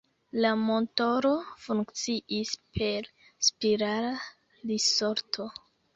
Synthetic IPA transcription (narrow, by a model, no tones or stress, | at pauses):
lamo̞nto̞ɾo̞fuŋkt͡siispʰe̞ɾ | spiɾala | diso̞ɾtʰo̞